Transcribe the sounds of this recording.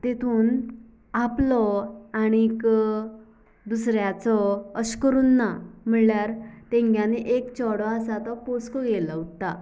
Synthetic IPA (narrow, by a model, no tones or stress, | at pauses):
t̪et̪ʰuːn | aplɔañik | d̪usɾjat͡sɔəɕkəɾuːnːam̤əɳɭjaɾt̪ẽŋɡjaneʔekt͡ɕɔɽɔasat̪ɔposkɔɡelaut̪a